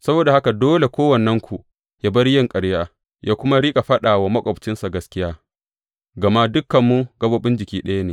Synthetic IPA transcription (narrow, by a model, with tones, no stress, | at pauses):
sɐ˦boː˨da˨ha˦ka˨doː˦le˨kʷoː˦wɐ˨nːɐ˦ŋkʷʰu˨ | ja˦bɐ˦ɽjɪ˦˨ŋkʼɐ˨ɽjaː˨ | jaː˦kʷʊ˦ma˦ɾiː˦kʼa˨ɸɐ˦ɗaː˨wa˨mɐ˦kʷʼɐ˨bt͡ʃɪ˦nsa˨ɡɐ˦skʲɪ˦jaː˦ | ɡɐ˨ma˦dʊ˦kːɐ˨mːu˦ɡɐ˦boː˦ɓɪ˦nd͡ʒɪ˨kʲiː˦ɗɐ˦ja˦neː˨